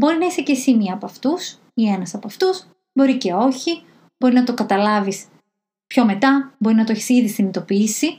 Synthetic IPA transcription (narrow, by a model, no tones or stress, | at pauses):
bo̞ɾinɐisecesimiɐːpoɐft̪us | ienɐsɐpoɐft̪uz̥ | bo̞ɾice̞o̞çi | b̥o̞ɾinɐt̪o̞kɐt̪ɐlɐvis | pço̞me̞t̪ɐbo̞ɾinɐt̪oeçi̥siðisinit̪o̞piːsi